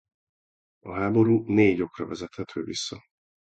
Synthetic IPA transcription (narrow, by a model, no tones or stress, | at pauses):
ɒɦaːbo̞ɾuːneːɟo̞krɒvɛzɛt̪hɛt̪ʰøːvḭsːɒ